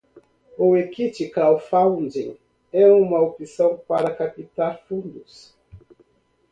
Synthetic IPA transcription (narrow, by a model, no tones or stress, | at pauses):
owekit͡ʃikawfawndĩŋ | ɛũmɐopisɐ̃w̃paɾakapit̪alfũnd̪us